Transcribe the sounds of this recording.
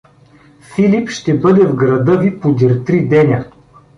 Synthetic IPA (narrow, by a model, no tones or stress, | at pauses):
filipʃt̪ɛbɤd̪ɛvɡɾɐd̪ɤvipod̪ʲiɾt̪ɾid̪ɛnʲə